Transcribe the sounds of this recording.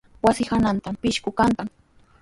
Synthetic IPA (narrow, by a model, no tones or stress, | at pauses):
wasɪhanant̪ampɪʃkʊkank̪aŋ